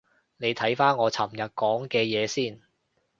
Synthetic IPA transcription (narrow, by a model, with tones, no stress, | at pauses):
ne˨˧jt̪ʰɐ˨˥jfaː˥nŋɔː˨˧t͡sʰɐ˨˩mjɐ˨˩t̚kɔː˨˥ŋkɛː˧jɛː˨˧siː˥˩n